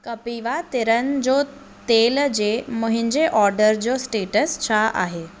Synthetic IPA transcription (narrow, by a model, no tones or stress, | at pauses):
kəpiʋat̪eɾənd͡zo | t̪eld͡ʑeməɦiɲd͡ʑeʔɔɾɖəɾd͡ʑosʈeʈəst͡ɕʰaʔa̰ɦe